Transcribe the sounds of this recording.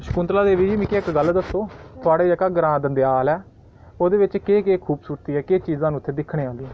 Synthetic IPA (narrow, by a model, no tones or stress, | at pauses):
ʃə̥kʊ̃nt̪laːd̪eːʋiːd͡ʒiːmɪ̃ːkeːɪkɡəld̪əsːoːt̪ʰʊaːɽeːd͡ʒəkaːɡəɾãːd̪ənd̪ejaːlɛː | oːd̪eːʋɪt͡ʃkeːkeːkʰuːbsuːɾt̪iːɛːkeːt͡ʃiːzãːnũːʊt̪ʰːeːd̪ɪkʰːɽ̃eːaːld̪iɛ̃ː